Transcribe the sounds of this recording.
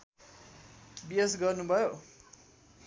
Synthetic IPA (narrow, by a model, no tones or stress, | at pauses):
biesɡʌrnubʱʌjo